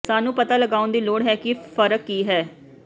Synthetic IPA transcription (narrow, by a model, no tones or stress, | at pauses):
saːnũːpət̪aːləɡaːʊ̃nd̪iːloːɽɦɛːkɪfəɾəkːiːɦɛː